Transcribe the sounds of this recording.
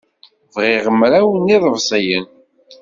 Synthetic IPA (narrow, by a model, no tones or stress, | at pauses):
vʁɪʁəmɾæwəniðˤəvsˤjən